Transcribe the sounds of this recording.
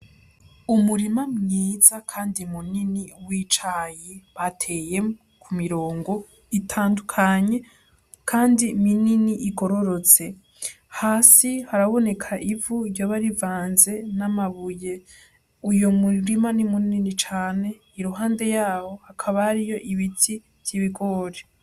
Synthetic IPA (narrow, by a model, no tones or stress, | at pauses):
umuɾimamɲiːzakʰaːndimuniniwiːt͡ʃajeβatʰe̞jem | kʰumiɾo̞ːŋɡo̞ | itʰaːndukʰaɲe̞ | kʰaːndimininiʔiɡo̞ɾo̞ɾo̞t͡se̞ | haːsihaɾaβo̞ne̞kʰaʔivuɾjoβaɾivaːnze̞namaβuje̞ | ujomuɾimanimunininit͡ʃaːne̞ | iɾuɦaːnde̞jaːho̞hakʰaβahaɾijo̞ʔiβitʰi | v̥jiβiɡo̞ːɾe